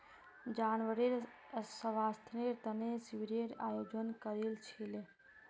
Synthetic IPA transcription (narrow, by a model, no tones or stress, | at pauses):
d͡ʒanʋəɾeɾ | səʋast̪ʰneɾt̪ənesiʋiɾeɾajod͡ʒənkəɾelt͡ʃʰil